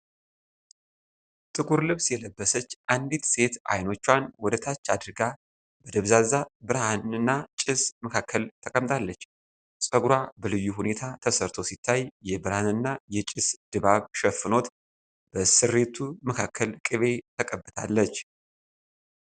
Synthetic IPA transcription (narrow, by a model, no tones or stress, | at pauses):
t̪ʼɨɡuɾlɨβsjɛləbːəsət͡ʃːʔand̪it̪se̞t̪ʔa̰jno̞t͡ʃːwanwɔd̪ət̪ʰat͡ʃːad̪ɨɾɡa | bəd̪əβzazabɨɾhanɨnːat͡ʃʼɪsməkʰakʰːəlt̪ʰəkʼəmt̪ʼʰalːət͡ʃː | sʼəɡɾabəlɨjːuhune̞t̪ʰat̪ʰəsəɾt̪ʰo̞sit̪ʰːajjɛbɨɾhanɨnːajɛt͡ʃʼɪsd̪̥ɨβaβʃɛfɨno̞t̪ | b̥əsɨɾːe̞t̪ʰuməkʰakʰːəlkʼɨβe̞t̪ʰəkʼəbːɨt̪ʰa̰lːət͡ʃː